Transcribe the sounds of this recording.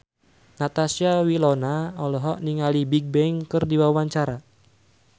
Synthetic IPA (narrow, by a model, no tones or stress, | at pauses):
nat̪asiawilɔnaɔlɔɦɔʔniŋalibiɡ̚bɛŋkɨrdiwawaɲt͡ʃaɾa